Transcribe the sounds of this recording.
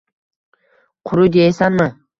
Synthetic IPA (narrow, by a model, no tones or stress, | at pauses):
qʰʊɾʊd̪eesanmɪ